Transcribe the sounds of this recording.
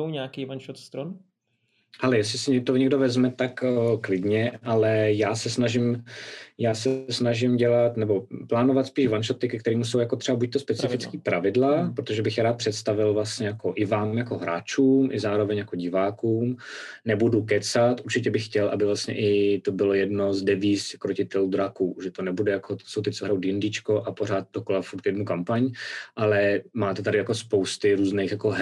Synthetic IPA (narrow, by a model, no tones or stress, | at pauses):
owɲaːkiːvanʃoft̪st̪ɾon | hɛlɛjɛslɪsɪɲɛt̪oɲɛɡdovɛzmɛt̪akklɪdɲɛʔalɛjaːsɛsnaʒɪm | jaːsɛsnaʒɪmɟɛlat̪nɛbo̞plaːnovat̪spiːʒvanʃoft̪ɪkɛkt̪ɛɾiːmusowjako̞t̪r̥ɛbabuc̚t̪ospɛt͡sɪfɪt͡skiːpɾavɪdlapɾot̪oʒɛbɪxjaɾaːt̪̚pr̝̥ɛt̪st̪avɪlvlast̪ɲɛjakoʔɪvaːmjako̞ɦɾa̰ːt͡ʃuːmʔɪzaːɾovɛɲjakoɟɪvaːkuːmnɛbudukɛt͡sat̪ʔuɾt͡ʃɪcɛbɪxxcɛlʔa̰bɪvlast̪ɲɛ̰ʔɪt̪obɪlojɛdno̞zdɛviːskɾocɪt̪ɛlud̪ɾakuːʒɛt̪onɛbudɛjakʰot̪sowt̪ɪt͡soɦɾawt̪jɪndɪt͡ʃkoʔapoɾ̝aːt̪̚dokolafuɾt̪jɛdnukampaɲʔalɛmaːt̪ɛt̪adɪjako̞spowst̪ɪɾuːznejxjakoɦ